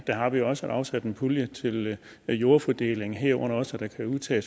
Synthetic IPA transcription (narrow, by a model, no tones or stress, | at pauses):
d̥æɦɑ̈ʋijo̝ɒ̽səæd̥ɑ̈ʊsæd̥əe̝npʰuljət͡sʰe̝l | jo̝ːɐfɒd̥e̝̰le̝ŋ̩ɦeɐ̰ɔ̽n̰ɐɒ̽sæd̥æ̈kʰæuðˠt͡sʰɛ̰ːs